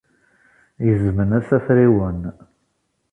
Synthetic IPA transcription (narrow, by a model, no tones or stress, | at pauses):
jəzmənæsæfɾiwən